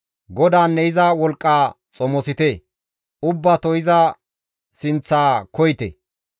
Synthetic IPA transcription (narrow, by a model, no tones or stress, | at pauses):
ɡɔd̪aːnːɛɪzɐwɔlkʼːaː | t͡sʼɔmɔsɪt̪ɛ | ʊbːaːt̪ɔjɪzɐ | sɪnt͡sːaːkɔjɪt̪ɛ̰